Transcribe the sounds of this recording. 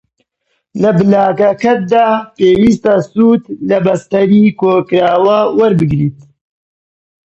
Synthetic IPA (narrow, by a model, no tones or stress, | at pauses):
lɐbɨlaːkɐkɐt̪̚d̪aːpeːwiːst̪asuːt̪lɐbɐst̪ɐɾiːkʰoːkɾaːwawɐɾbɨɡɾiːt̪̚